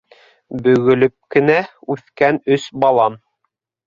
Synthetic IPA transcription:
bɵ̆ɡɵ̆lɵp̚kɘ̆næʉθkænɵsbɑlˠɑm

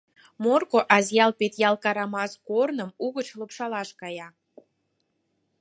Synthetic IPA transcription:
morkoʔɑzjɑlpet̪jɑlˠkɑɾɑmɑskornəmuɣət͡ɕləpʃɑlɑʃkɑjɑ

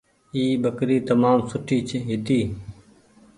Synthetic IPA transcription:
iːbəkɾiːt̪əmaːmsʊʈʰiːt͡ʃʰɦɪt̪iː

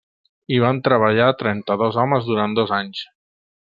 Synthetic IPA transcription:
iβ̞ant̪ɾəβ̞aʎat̪ɾɛnt̪əðɔzɔməzðuɾand̪ɔzaɲs

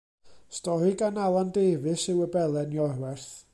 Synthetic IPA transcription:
stɔɾɨɡanalˠandeːvɨsɨwəbɛlˠɛnjɔrwɛrθ

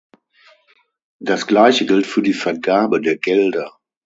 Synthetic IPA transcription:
d̥asɡ̥laɪçəɡɪltfyːɐdiːfɛɐɡaːbədeːɐɡɛldɐ

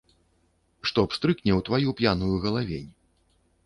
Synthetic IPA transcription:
ʂt̪ɔpst̪ɾɨknʲɛwt̪vajupʲjanujuɣɐlˠavʲenʲ

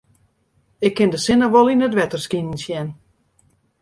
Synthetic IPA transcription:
ɪkʰːɪndəsɪnəʋɔlˠinətdʋɛtərskinənsjɛn

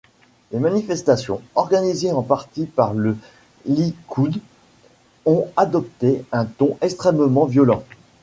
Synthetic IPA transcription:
lemanifɛst̪asjɔ̰̃ɔʁɡanizeɑ̃paʁt̪ipaʁlə | likʰud̪ | ɔ̃ad̪ɔp̚t̪eɛ̃t̪ɔ̃ʔɛkst̪χɛmmɑ̃vjɔlɑ̃

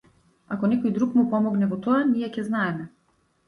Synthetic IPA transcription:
akɔnɛkɔjd̪ɾukmupɔmɔɡnɛvɔt̪ɔanijɛcɛznaɛmɛ

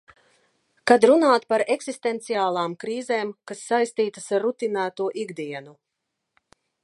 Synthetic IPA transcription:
kad̪ɾunaːt̪paɾeksist̪ent̪siaːlˠaːmkɾiːzeːmkasːajst̪iːt̪asaɾːut̪inæːt̪uɔʔiɡd̪iɛnu

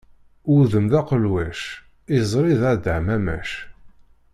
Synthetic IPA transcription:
ʊðəmðɑqəlwæʃ | izˤɾˤiðæd̪əʕmæmæ̰ʃ

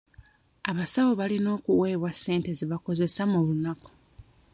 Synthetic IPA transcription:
aβasawo̞βalino̞ːkuwe̞ːβwasːe̞ːnte̞ziβako̞ze̞samuβunako̥

